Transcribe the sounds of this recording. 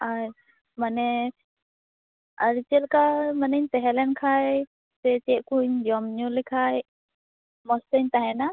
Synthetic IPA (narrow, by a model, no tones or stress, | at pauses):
aɾ | manɛ | aɾit͡ʃɛlkamanəɲt̪ɛɦɛlɛnkʰaj | sɛt͡ʃɛʔkuɲd͡ʒɔmɲulikʰaj | mɔst̪əɲt̪aɦɛna